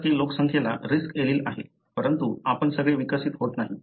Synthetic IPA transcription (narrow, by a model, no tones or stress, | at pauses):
t̪iːllːoksəŋkʰjala̰ɾiskeliːlaɦḛ | pəɾənt̪uapəɳsəɡɭeʋikəsiːt̪ɦot̪naɦi